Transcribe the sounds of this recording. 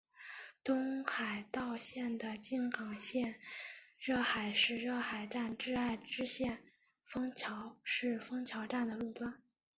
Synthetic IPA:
t̪ʊ˥ŋxa˨˩ɪt̪ɑ˥˧ʊɕjɛ˥˩nd̪ə˩t͡ɕi˥˩nkɑ˨˩ŋɕjɛ˥˧nɻɤ˥˩xa˨˩ɪʂɻ̩˥˧ɻɤ˥˩xa˨˩ɪʈ͡ʂa˥˧nʈ͡ʂɻ̩˥˧a˥˩ɪʈ͡ʂɻ̩˥ɕjɛ˥˩n | fɤ˥ŋt͡ɕʰjɑ˧˥ʊʂɻ̩˥˩fɤ˥ŋt͡ɕʰjɑ˧˥ʊʈ͡ʂa˥˩nd̪ə˩lu˥˩˧t̪wa˥˩n

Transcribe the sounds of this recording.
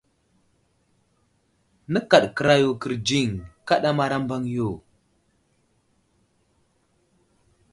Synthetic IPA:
nə˦ka˨ɗkə˨ɾa˨˦jo˨ki˨ɾd͡ʒi˦˨ŋka˦ɗa˦ma˦ɾa˦mba˦ŋjo˨

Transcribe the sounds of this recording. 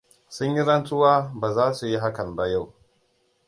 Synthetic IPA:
sʊ˦ɲji˦ɾɐ˦ntu˦waː˦baː˨zaː˦su˨ji˦ɦa˦kɐ˨mba˦ja˦˨w

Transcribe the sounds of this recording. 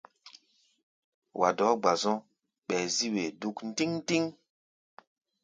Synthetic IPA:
wʔa̰˨dɔ˨˦ɡ͡ba˨zɔ̃˦ | ɓɛː˨zi˦we˨du˦kn̩˦ti˦ŋ˦ti˦ŋ

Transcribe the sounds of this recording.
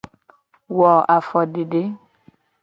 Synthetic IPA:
wɔ˨a˨fɔ˨ɖe˨ɖe˦

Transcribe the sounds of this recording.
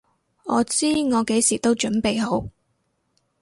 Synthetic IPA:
ɔː˨˧t͡siː˥ŋɔː˨˧ke˨˥jsiː˨˩t̪o˥wt͡ʃɵ˨˥npe˨jho˨˥w

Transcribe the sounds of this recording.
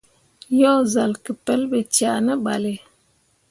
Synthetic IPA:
jɔ˦za˨lkə˨pɛ˦lɓe˨t͡ʃa˨nə˦ɓa̰˨le˨

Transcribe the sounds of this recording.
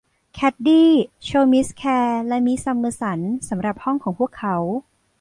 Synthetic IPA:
kʰɛ˦˥t̪̚diː˥˩t͡ɕʰoː˧mi˦˥skʰɛː˧lɛ˦˥miː˧˥sa˧mːɯː˧sa˩˦nsa˩˦mɾa˨˩p̚hɔ˥˩ŋkʰɔː˩˦ŋpʰu˥˩əkʰːa˦˥w

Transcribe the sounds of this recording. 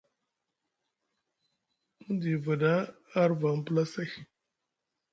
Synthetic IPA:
mu˦di˨və˨da˦ | a˦ɾva˨m˦pə˦la˦sa˦j

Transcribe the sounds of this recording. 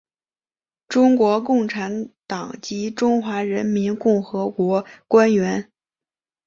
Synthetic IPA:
ʈ͡ʂʊ˥ŋkwɔ˧˥kʊ˥˩ŋʈ͡ʂʰa˧˥nt̪ɑ˨˩ŋt͡ɕi˧˥ʈ͡ʂʊ˥ŋxwa˧˥ɻə˧˥nmi˧˥nkʊ˥˩ŋxɤ˧˥kwɔ˧˥kwa˥nɥɛ˧˥n

